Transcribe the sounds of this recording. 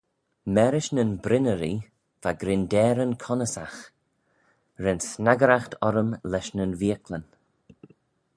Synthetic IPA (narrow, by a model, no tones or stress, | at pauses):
mɛɾɪʃnənbɾɪnəɾi | v̥aɡɾɪndɛːɾənkʰɔnəsax | ɾɛnsnaɡəɾaxt̪ʰɔɾəmlɛʃnənviəklən